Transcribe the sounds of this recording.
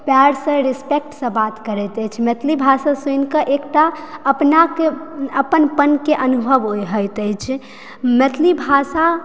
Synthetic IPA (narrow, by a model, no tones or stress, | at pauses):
paɾsə̃ɾispek̚ʈsə̃bat̪kəɾɛt̪əjt͡ʃʰmət̪ʰlibʱasasunkəʔekʈaəpnakeəpənpənkeʔənubʱəʋojɦəjt̪əjt͡ʃʰ | mət̪ʰlibʱasa